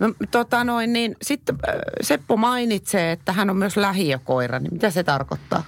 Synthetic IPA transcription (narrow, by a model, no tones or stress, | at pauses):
not̪ot̪ɑnoinniːnsit̪ːsepːomɑinit̪seːet̪ːæhænommyøslæhiækoirɑ̰nimmit̪æset̪ɑrko̰t̪ːɑ̰ː